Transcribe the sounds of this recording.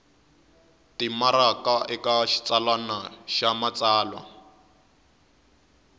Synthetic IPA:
timaɾakaʔɛkaʃi̥t͡salwanaʃamat͡saːlwa̰

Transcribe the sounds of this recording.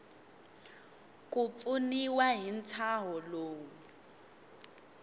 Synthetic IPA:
kʼupuniwaɦin̩t͡sʰaɦɔloːu

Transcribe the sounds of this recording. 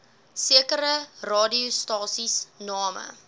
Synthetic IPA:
siəkəɾərɑːdiustɑːsisnɑːmə̰

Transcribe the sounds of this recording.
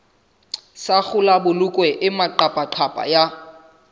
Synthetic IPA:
sak͡xʊlabʊlʊkʼwɛʔɪmaǃapʼaǃʰapʼa̰ja

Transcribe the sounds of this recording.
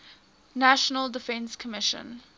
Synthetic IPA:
næʃənəlˠdɪfɛ̃nskʰəmɪʃə̰̃n

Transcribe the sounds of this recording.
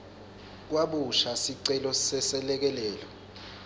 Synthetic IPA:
k̬waɓuʃasiǀɛlɔsɛsɛlɛk̬ɛlɛːlɔ

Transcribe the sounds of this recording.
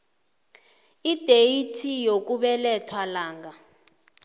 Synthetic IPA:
id̥ʱeitʰijok̬uɓɛlɛtʰwalaːŋɡa

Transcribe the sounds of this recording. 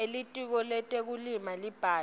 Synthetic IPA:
elitʼwik̬ɔlɛtʼek̬ulimalib̥ʱaː

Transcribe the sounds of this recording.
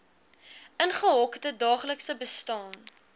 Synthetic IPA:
ʔənχəɦɔkdədɑːχləksəbəstɑːn

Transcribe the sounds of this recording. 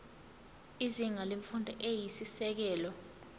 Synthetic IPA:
iziŋaleɱfundʱɔʔejisisɛk̬ɛːlɔ

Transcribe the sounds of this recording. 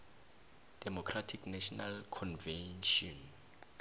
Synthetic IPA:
d̥ɛmɔkʰratʰiknɛʃɔnalkʰɔnvɛnʃɔn

